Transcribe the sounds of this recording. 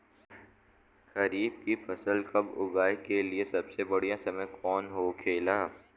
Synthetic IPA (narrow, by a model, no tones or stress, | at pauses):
xɐɾiːb̚kifʰɐsəlkɐbʊ̰ɡaːjkeliesɐbsebɐɽ̤ijãsɐməjkɔːnɦoːkʰeːlaː